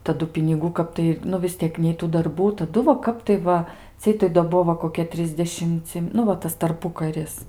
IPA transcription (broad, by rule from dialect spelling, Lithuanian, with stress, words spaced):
tɐˈdʊ pʲɪnʲɪˈɡuː ˈkɐp tɐɪ nʊ ʋʲɪs ˈtʲiɛk nʲɛɪ ˈtuː dɐrˈbuː tɐˈdʊ ʋɐ ˈkɐp tɐɪ ˈʋɐ ˈt͡sʲiɛj tɐɪ doː ˈbuɔ ʋɐ koːˈkʲiɛ ˈtʲrʲɪzʲdʲɛʃʲɪmʲt͡sʲɪ nʊ ˈʋɐ ˈtɐs tɐrˈpʊkɐrʲɪs